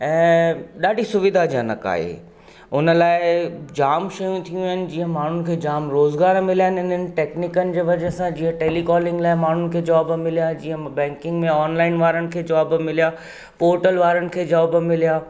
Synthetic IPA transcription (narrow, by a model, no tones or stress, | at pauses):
ɛ̃ːɗaːɖʱisʊʋɪd̪ʱad͡ʑijãnɐ̰ka̰ːɦḛ | ʊnə̆laːɪd͡ʑaːmʃɐjũt̪ʰijũaɪnɪ̆d͡ʑiːə̃maːn̤ʊnɪ̆kʰeːd͡ʑaːmɾoːzɡaːɾmɪlaːɦɪnɪn̤ənɪ̆ʈeːknɪkənɪ̆d͡ʑeːʋɐd͡ʑəsãd͡ʑĩːə̃ʈeːlikɔːlɪ̃ŋɡlaːɪmaːn̤ʊnɪ̆kʰeːd͡ʑɔːbmɪlijad͡ʑiːɦə̃bɛ̃ːŋkɪ̃ŋɡmẽɔːnlaːɪnʋaːɾənɪ̆kʰeːd͡ʑɔːbmɪlijaː | poːɾʈəlʋaːɾənɪ̆kʰeːd͡ʑɔːbmɪlijaː